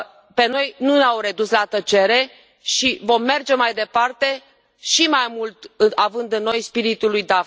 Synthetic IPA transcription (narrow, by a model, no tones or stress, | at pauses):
pe̞no̞jnuneawɾe̞d̪uslat̪ət͡ʃe̞ɾe̞ | ʃivo̞mːe̞rd͡ʒe̞majd̪e̞part̪e̞ | ʃimajmult̪ɨavɨnd̪ɨnːo̞jspiɾit̪ulujd̪af